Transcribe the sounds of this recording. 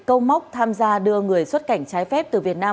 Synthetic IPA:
kə˧wma˦˥wk͡p̚t̪ʰaː˧mzaː˧ɗɨ˧əŋɨ˨˩əjswə˦˥t̚ka˧˩jŋ̟t͡ɕaː˨˦jfɛ˦˥p̚t̪ɨ˨˩vi˨˩ət̚naː˧m

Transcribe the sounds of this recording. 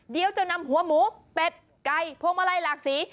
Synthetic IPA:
di˧əwt͡ɕa˧˩wna˧˨mhu˨˩˦əmuː˨˦˥pe˨˩t̪̚ | ka˧jpʰoː˧˨ŋmaː˧laː˧jlaː˨˩k̚siː˩˦

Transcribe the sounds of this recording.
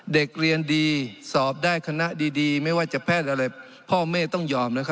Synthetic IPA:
de˨˩k̚ɾi˧əndiː˧sɔː˨˩p̚daː˥˩jkʰa˧na˦˧˥ʔdiː˧diː˧ma˥˩jwaː˧˥˩t͡ɕa˨˩˨pʰɛː˥˩t̪̚ʔa˧ɾa˧˩j | pʰɔː˥˩meː˥˩t̪ɔ˥˩ŋjɔː˧˩mna˦˥kʰ

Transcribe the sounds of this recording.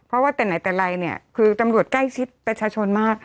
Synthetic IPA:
pʰɾɔ˦˥waː˥˩t̪ɛː˨˩na˨˩˦jt̪ɛː˨˩ɾa˧jni˥˩ɐkʰɯː˧t̪a˧mɾu˨˩ət̪̚kla˥˩jt͡ɕʰi˦˥t̪̚pɾa˧t͡ɕʰaː˧t͡ɕʰo˧nmaː˥˩k̚

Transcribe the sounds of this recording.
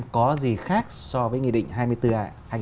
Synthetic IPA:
mkɔ˨˦zi˨˩xaː˦˥k̚sɔ˧vəː˨˦jŋḭ˧˨ɗḭ˧˨ŋ̟ɦaː˧jmɨ˧əjt̪ɨ˧ʔaː˧˩haː˧

